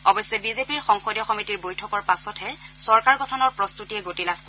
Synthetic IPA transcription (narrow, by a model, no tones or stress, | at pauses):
ɔbɔsːɛbizepiɹxɔŋxɔdjɔxɔmitiɹbojtʰɔkɔɹpasɔtʰɛsɔɹkaɹɡɔtʰɔnɔɹpɹɔstutiɛɡotilap̚ʰk